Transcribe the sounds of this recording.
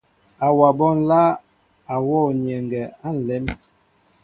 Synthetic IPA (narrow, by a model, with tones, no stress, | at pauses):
a˨wa˨bɔ˦n̩˦la˦ | a˨wɔ˦˨ɲɛ˨ŋɡɛ˨a˦n̩˨lɛ˨˦m